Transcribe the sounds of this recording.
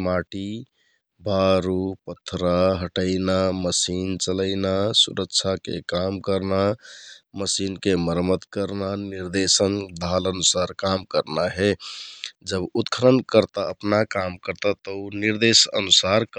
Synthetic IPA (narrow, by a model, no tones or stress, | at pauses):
maʈi | baɾupət̪ʰːɾaɦəʈəɪnaməsint͡ʃələɪnasṵɾəkt͡ʃʰakḛkamkəɾna | məsinkeməɾmət̪kəɾnaniɾd̪esənd̪ʱalənusaɾkamkəɾnaɦɛ | d͡ʒəbut̪kʰəɾənkəɾt̪aəpnakamkəɾt̪at̪əuniɾd̪esə̰nusaɾk